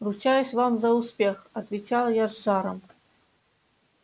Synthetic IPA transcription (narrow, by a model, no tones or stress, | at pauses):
rut͡ɕajusʲvamzɐuspʲexɐt̪vʲɪt͡ɕalˠjaʐːɑɾəm